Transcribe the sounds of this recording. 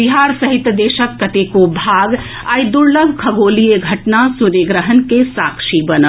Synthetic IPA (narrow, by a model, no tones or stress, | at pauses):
biɦaɾsəɦit̪d̪eʃəkːət̪ekobʱaɡ | ajd̪uɾləɡʱkʰəbolijeɡʱəʈnasuɾeɡɾəɦənkesakʃibənə